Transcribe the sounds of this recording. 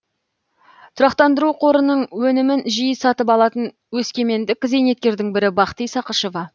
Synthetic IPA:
t̪ʰʊɾɑqt̪ɑnd̪əɾuqʰo̞ɾənːəɴwɵnɪmɪnʒijəsɑt̪əpɑlˠɑt̪ən | wɵskʲe̞me̞nd̪ɪkʲze̞jne̞t̪̚kʲe̞ɾd̪ɪŋbɪɾɪbɑqt̪ijsɑqəʃo̞vɑ

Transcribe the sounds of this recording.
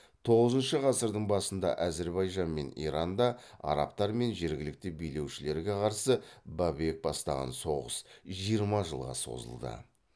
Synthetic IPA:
t̪ʰo̞ʁəzənʃəʁɑsəɾd̪əɴbɑsənd̪ɑ̰ʔæze̞ɾbɑjʒɑnme̞nḭɾɑnd̪ɑɑ̰ɾɑ̰p̚t̪ɑɾme̞nʒe̞ɾɡʲɪlɪk̚t̪ɪbijle̞wʃɪle̞ɾɡʲe̞qʰɑɾsəbɑbek̚bɑst̪ɑʁɑ̰nso̞ʁəsʒijəɾmɑʒəlˠʁɑ̰so̞̰zə̰lˠd̪ə̰

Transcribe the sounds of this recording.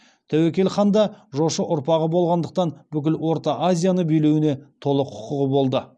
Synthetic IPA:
t̪ʰæwekʲe̞lχɑnd̪ɑʒo̞ʃəʔʊɾpɑʁəbo̞lˠʁɑnd̪əq̚t̪ɑnbʏkʲɪlwo̞ɾt̪ɑʔazʲijanəbijlewɪne̞t̪ʰo̞lˠəqʰːʊ̥qʊʁəbo̞lˠd̪ə

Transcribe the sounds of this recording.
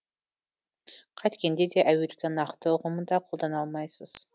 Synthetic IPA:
qʰɑjt̪kʲend̪e̞d̪e̞ʔæweɾkʲenɑqt̪əʊʁəmənd̪ɑqʰo̞lˠd̪ɑnɑlˠmɑjsəz̥

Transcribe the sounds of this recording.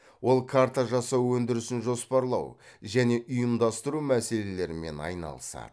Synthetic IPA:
wo̞lˠkʰaɾt̪aʒɑsɑwːɵnd̪ɪɾɪsɪnʒo̞spɑɾlˠɑ̰wʒæne̞ʔʊjəmd̪ɑst̪əɾumæse̞le̞le̞ɾɪme̞̰nɑ̰jnɑ̰lˠəsɑ̰d̪̥ə

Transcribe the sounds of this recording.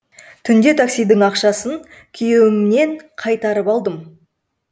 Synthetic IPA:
t̪ʰʏnd̪e̞t̪ʰaksijd̪ɪŋɑqʃɑsən | kʲʰʏjewɪmne̞ŋqʰɑjt̪ɑɾəpɑlˠd̪əm

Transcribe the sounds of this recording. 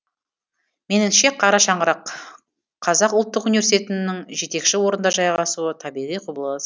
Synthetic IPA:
me̞nɪmʃe̞qʰɑɾɑʃɑɴʁəɾɑqʰ | ɑzɑqʊlˠt̪ːəqunivʲes̬ʲit̪e̞t̪ɪnːɪŋʒe̞t̪e̞kʃɪwo̞ɾənd̪ɑʒɑjɑʁɑsuət̪ʰɑbiʁijqʰubəlˠɑsə

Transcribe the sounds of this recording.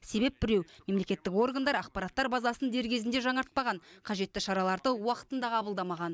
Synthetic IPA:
se̞be̞p̚bɪɾe̞wme̞mle̞kʲe̞t̪ːɪko̞rɡand̪ɑɾɑq̚pɑɾɑt̪ːɑɾbɑzɑsənd̪e̞ɾɡʲe̞zɪnd̪e̞ʒɑɴɑɾt̪̚pɑʁɑɴqʰɑʒe̞t̪ːɪʃɑɾɑlˠɑɾd̪əwɑqə̥t̪ənd̪ɑʁɑbəlˠd̪ɑmɑʁɑn

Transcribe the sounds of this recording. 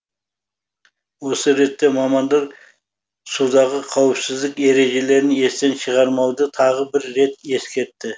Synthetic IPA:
wo̞səɾe̞t̪ːe̞mɑmɑnd̪ɑɾ | sud̪ɑʁəqʰɑwɪpsɪzd̪ɪke̞ɾe̞ʒe̞le̞ɾɪne̞st̪e̞nʃəʁɑɾmɑwd̪ət̪ʰɑʁəbɪɾːe̞t̪e̞skʲe̞ɾt̪ːɪ

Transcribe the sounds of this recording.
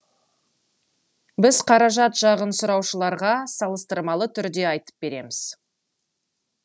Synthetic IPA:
bɪzqʰɑɾɑʒɑt̪ʒɑʁənsʊɾɑwʃəlˠɑɾʁɑsɑlˠəst̪əɾmɑlˠət̪ʰʏɾd̪e̞ɑjt̪ə̥p̚b̥e̞ɾe̞mɪz̥

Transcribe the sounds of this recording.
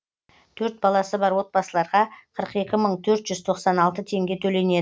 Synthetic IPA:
t̪ʰɵɾt̪̚bɑlˠɑsəbɑɾwo̞t̪̚bɑsəlˠɑɾʁɑqʰəɾəqe̞kʲɪməɴt̪ʰɵɾt̪ʒ̥ʏzt̪ʰo̞qsɑnɑlˠt̪ət̪ʰe̞ŋɡʲe̞t̪ʰɵle̞ne̞d̪ɪ

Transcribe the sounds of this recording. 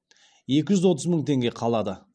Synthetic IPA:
je̞kʲɪʒʏzwo̞t̪əzməɴt̪ʰe̞ŋɡʲe̞qʰɑlˠɑd̪ə

